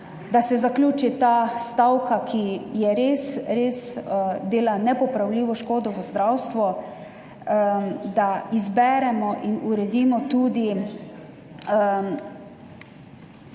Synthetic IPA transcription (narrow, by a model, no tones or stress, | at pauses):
d̪asɛzaklʲuːt͡ʃit̪ast̪awkakʰijɛɾeːsɾeːsd̪eːlanɛpɔpɾawliːʋɔʃkoːd̪ɔʋəzd̪ɾawst̪ʋɔ | d̪aizbɛɾɛmɔʔinuɾɛd̪iːmɔt̪uːd̪i